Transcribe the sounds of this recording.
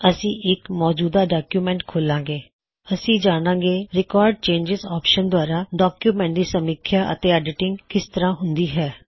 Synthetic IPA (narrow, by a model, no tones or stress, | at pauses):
əsĩːʔɪkmɔːd͡ʒuːd̪aːɖaːkjuːmɛ̃ːɳʈkʰoːlãːŋɡeː | əsĩːd͡ʒaːɽ̃ãːɡeːɾɪkaːɾɖ̚t͡ʃẽːɲd͡ʒɪzaːpʃənd̪ʊaːɾaːɖaːkjuːmɛ̃ːɳʈ̚d̪iːsəmiːkʰːjaːʔə̰t̪eːaːɖɪʈɪŋɡkɪst̪əɾãːɦʊnd̪iːɦɛː